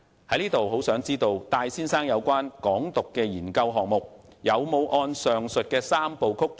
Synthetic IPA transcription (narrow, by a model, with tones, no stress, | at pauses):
hɐ˨˥jliː˥t̪o˨who˨˥wsœː˨˥ŋt͡siː˥t̪o˧wt̪aː˧jsiː˥nsaː˥ŋjɐ˨˧wkʷwaː˥nkɔː˨˥ŋt̪ʊ˨kːɛː˧jiː˨˩nkɐ˧wɦɔː˨ŋmʊ˨k̚jɐ˨˧wmo˨˧wʔɔː˧nsœː˨ŋsɵ˨t̚kɛː˧saː˥mpo˨wkʰʊ˥k̚